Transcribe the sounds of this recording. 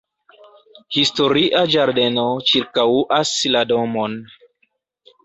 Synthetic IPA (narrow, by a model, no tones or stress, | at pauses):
histoɾiʔad͡ʒaɾde̞not͡ʃiɾkawuʔaslado̞mon